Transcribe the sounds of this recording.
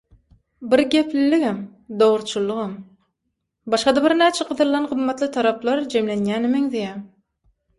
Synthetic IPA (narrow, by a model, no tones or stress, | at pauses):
biɾɡʲe̞pliliɣæmd̪oʁɾt͡ʃʰulˠːuʁɑm | bɑʃqɑd̪ɑbiɾnæːt͡ʃʰeʁɯðɯɾlˠɑnʁɯmːɑt̪lˠɯt̪ʰɑɾɑplˠɑɾd͡ʒe̞mlenjæːnemeŋðijæm